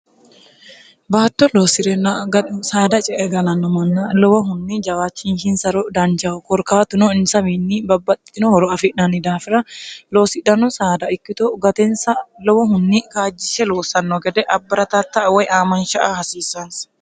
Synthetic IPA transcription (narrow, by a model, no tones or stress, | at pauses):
baːt̪ːɔloːsɪɾɛnːaɡɐsaːd̪ɐt͡ʃʼɛʔɛɡɐlɐnːɔmɐnːɐlɔwɔɦʊnːid͡ʒɐwaːt͡ʃːinhɪnsɐɾɔd̪ɐnd͡ʒɐʊkɔɾkaːt̪ʊnɔɪnsɐmiːnːibɐbːɐt̪ʼːɪ̥t̪ːɪnɔhɔɾɔɐfɪʔnɐnid̪aːfɪɾɐlo̞ːsɪᶑɐnɔsaːd̪ɐɪkːɪt̪ɔɡɐt̪ɛnsɐlɔwɔɦʊnːikaːd͡ʒːɪʃɛloːsɐnːɔɡɛd̪ɛʔɐbːɐɾɐt̪ɐt̪ːɐwɔjaːmɐnʃɐʔahɐsiːsːɐns